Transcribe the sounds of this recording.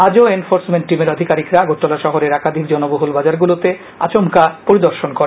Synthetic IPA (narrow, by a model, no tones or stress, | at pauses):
ad͡ʑoenfoɾsmeɳʈʈimeɾod̪ʱikaɾikɾaɡoʈ̪ːolaʃɔɦoɾeɾakad̪ʱikd͡ʑɔnoboɦulbad͡ʑaɾɡulot̪e | a̰t͡ɕomkapoɾid̪oɾʃonkoɾe